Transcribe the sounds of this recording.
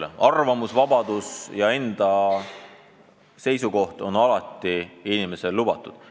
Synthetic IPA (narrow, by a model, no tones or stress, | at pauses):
ɑrvɑmusvɑbɑd̪̥usjɑe̞nd̪̥ɑ | se̞jsuko̞ht̪o̞nɑlɑt̪ːˑiinime̞se̞lːubɑt̪ːˑud̪̥